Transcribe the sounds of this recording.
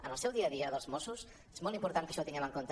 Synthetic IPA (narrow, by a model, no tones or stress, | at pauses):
ənəlˠsɛwðiəðiəðəlˠzmosus | ezmɔlˠt̪impuɾt̪aŋkəʃɔt̪iŋɡɛməŋkont̪